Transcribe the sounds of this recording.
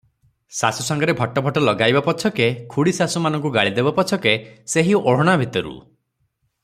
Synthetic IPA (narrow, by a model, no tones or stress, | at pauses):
sasusɔŋɡɔɾebʱɔʈɔbʱɔʈɔlɔɡajbapɔt͡ʃʰɔkekʰuɽisasumanɔ̃ŋk̬uɡaɭid̪ebapɔt͡ʃʰɔkeseɦioɽ̤ɔɽ̃abʱit̪ɔɾṵ